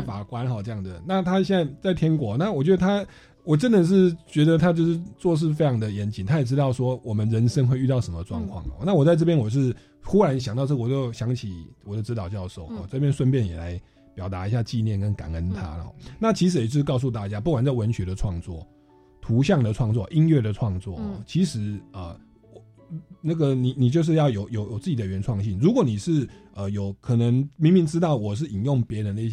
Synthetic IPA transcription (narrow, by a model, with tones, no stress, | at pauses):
fa˨˩kwa˦˥nxɔ˨˩ʈ͡ʂɤ˥˧jɑ˥˩ŋd͡zə˩na˥˩t̪ʰa˦ɕjɛ˥˧na˥˩ɪt͡sa˥˩ɪt̪ʰjɛ˥nkwɔ˧˥˦na˥˩˨wɔ˨˩t͡ɕɥɛ˧˥d̪ə˧t̪ʰa˥ | wɔ˨˩ʈ͡ʂə˦˥nd̪ə˨ʂ̬ɻ̩˥˩t͡ɕɥɛ˧˥d̪ə˨t̪ʰa˥t͡ɕjo˥˧ʊʂɻ̩˥˧t͡swɔ˥˧ʂ̬ɻ̩˥˩fe˥ɪʈ͡ʂʰɑ˧˥ŋd̪ə˨jɛ˧˦˥nt͡ɕi˨˩nt̪ʰa˥jɛ˨˩ʈ͡ʂɻ̩˥˦t̪ɑ˥˩ʊʂwɔ˥wɔ˨˩mə˨nɻə˧˦nʂə˥nxwe˥˧ɪy˥˧t̪ɑ˥˩ʊʂə˧˥mə˧ʈ͡ʂwɑ̰˥˧ŋkʰwɑ̰˥˨˩ŋ˨ɔ̰˨˦na˥˩wɔ˨˩t͡sa˥˧ɪʈ͡ʂ̬ɤ˥˩pjɛ˥nwɔ˨˩ʂɻ̩˥˩ | xu˥ɻa˧˦nɕ̬jŋt̪ɑ˥˧ɤ˥˩˨wt͡ɕjo˥˩ʊɕjɑ˧˥ŋt͡ɕʰi˨˩wɔ˨˩ə˧ʈ͡ʂɻ̩˧˥t̪ɑ˨ʊt͡ɕjɑ˥˧ʊʂo˥˩ʊxɔ̰˨˩t͡sɤ˥˩pjɛ˥nswə˥˧npjɛ˥˩njɛ̰˨˩la̰˧˦ɪ | pjɑ˨˩ʊt̪a˧˥i˧˥ɕ̬ja˥˧t͡ɕi˥˧njɛ˥˨nkə˦nka̰˨˩nə˦nt̪ʰa̰˦˨ɔ̰˨˦na˥˨˩t͡ɕʰi˧˥ʂ̬ɻ̩˧˥jt͡ɕo˥˧˩kɑ˥˧ʊs̬u˥˧t̪a˥˩t͡ɕja˦pu˥˩kwa˨˩nt͡sa˥˩wə˧˦nɕɥɛ˧˥d̪ə˨ʈ͡ʂʰwɑ˥˧ŋt͡swɔ̰˥˩ | t̪ʰu˧˥ɕ̬jɑ˥˩ŋd̪ə˨ʈ͡ʂʰwɑ˥˧ŋt͡swɔ˥˨ʔi˦nɥɛ˥˩d̪ə˨ʈ͡ʂʰwɑ˥˧ŋt͡swɔ̰˥˨ɔ̰˩t͡ɕʰi˧˥ʂɻ̩˧˥ə˨˩ | na˥˩ɡə˨ni˨˩ni˨˩t͡ɕjo˥˧ʊʂ̬ɻ̩˥˧jɑ˥˩ʊjo˨˩ʊjo˨˩ʊjo˨˩t͡sɨ˥˩t͡ɕi˨d̪ə˨˩ɥɛ˧˦nʈ͡ʂʰwɑ˥˧ŋɕi˥˩nɻu˧˥kwɔ˨˦ni˨˩ʂɻ̩˥˩ə˨jo˨˩ʊkʰɤ˨˩nə˧˦ŋmi˧˥ŋmi˧˥ŋʈ͡ʂɻ̩˥t̪ɑ˥˩ʊwɔ˨˩ʂ̬ɻ̩˥˩i˨˩njo˥˩ŋpjɛ˧˥ɻə˧˦nd̪ə˧i˥˩